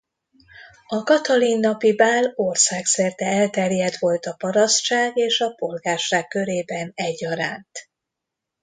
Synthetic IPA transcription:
ɒkɒt̪ɒlinːɒpibaːlorsaːksɛrt̪ɛɛlt̪ɛrjɛd̪ʋo̞lt̪ɒpɒɾɒst̪t͡ʃaːɡeːʃɒpo̞lɡaːrʃaːkːø̞ɾeːbɛnɛɟːɒɾaːnt̪

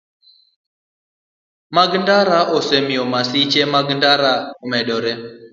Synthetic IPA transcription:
maɡndaɾaʔɔsemɪɔmasit͡ʃemaɡndaɾaɔmɛdɔɾɛ

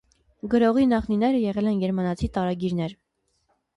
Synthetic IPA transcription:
ɡəɾɔʁinɑχninɛɾəjɛʁɛlɛnɡɛɾmɑnɑt͡sʰit̪ɑɾɑɡiɾn̪ɛɾ

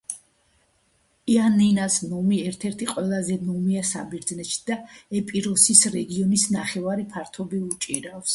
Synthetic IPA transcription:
ianinasnɔmiɛɾt̪ʰɛɾt̪ʰiqʼwɛlˠazɛnɔmiasa̰biɾd̪znɛʃi̥d̪̥aɛpʼiɾɔsisɾɛɡiɔnisnaχɛvaɾipʰaɾt̪ʰɔbiut͡ʃʼiɾafs

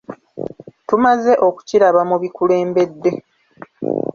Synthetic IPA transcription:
tumaze̞ʔo̞ku̥ciɾaβamuβikule̞ːmbe̞d̪ːe̞

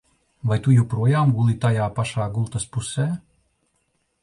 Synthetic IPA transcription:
vajt̪ujuwpɾuɔjaːmɡulˠit̪ajaːpaʃaːɡulˠt̪aspusɛː

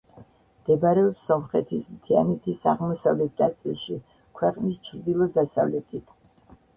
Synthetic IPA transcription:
md̪̥ɛbɾɛɔpsɔmχɛt̪ʰismt̪ʰianɛt̪ʰisa̰ʁmɔsavlɛt̪̚ʰnat̪sʼilˠʃi | kʰwɛqʼnist͡ʃʰɾd̪ilˠɔd̪asa̰vlɛt̪ʰit̪ʰ

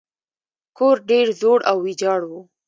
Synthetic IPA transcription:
koɾɖeɾzoɽawːid͡ʒɑɽwu

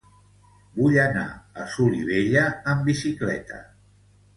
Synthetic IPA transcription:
buʎəna̰əsuliβeʎəəmbisiklɛ̰t̪ə̰

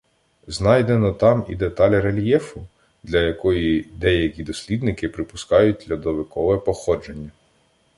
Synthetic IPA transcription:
znɑjd̪enɔt̪ɑmḭd̪e̞t̪ɑlʲɾelʲjɛfʊ | d̪lʲɐjɐkɔjid̪ɛjɐkʲid̪ɔsʲlʲid̪nɪkɪpɾɪpʊskɑjʊt̚ʲd̪lʲɐd̪ɔʋekɔʋɛpɔxɔd͡ʒenʲːɐ

